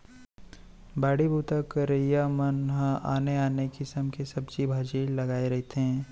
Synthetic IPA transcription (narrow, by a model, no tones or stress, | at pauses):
baːɽibʱuːt̪akəɾəijamənɦəa̰ːneaːnekɪsəmkesɐbt͡ʃibʱaːd͡ʒiːlɐɡaːeɾɐɦt̪eɦɛ̃ː